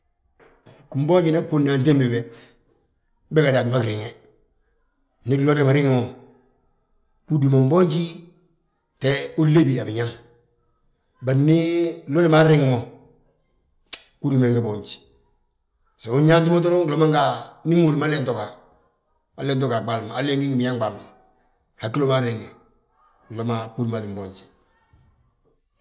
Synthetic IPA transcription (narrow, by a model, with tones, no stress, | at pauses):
ku˨m˦bo˦t͡ʃi˨na˦pːo˦na˨nt̬e˦mbi˨be˨ | be˦ka˨da˨ma˦kɾi˨ŋe˨ | ni˦lo˦le˨ma˨ɾi˦ŋ˨mo˨ | ku˦du˨mo˨mbo˦ɲt͡ʃi˦ | te˦o˦le˦bi˨a˨bi˨ɲa˦m | ba˨ɾni˦lo˦le˦ma˦ɾi˦ŋ˦mo˨ | ku˦ɾi˨me˨ŋɡe˨bo˨ɲt͡ʃi̥˨ | se˨o˦ɲa˦nt̬i˦mo˦t̬o˦ɾo˦ŋɡlo˦ma˦ŋɡa˨ni˦ŋo˨ɾima˦le˦nto˨ka˨ | a˨le˦nto˦ka˨ɡ͡ba˨lmaː˨le˦ŋɡi˦ŋɡi˨mi˨ɲa˦ŋba˨lma˨ | ha˨ki˦lo˦ma˦ɾi˨ŋe˨ | klo˦ma˦pu˦di˨ma˨li˨mbo˨ɲt͡ʃi̥˨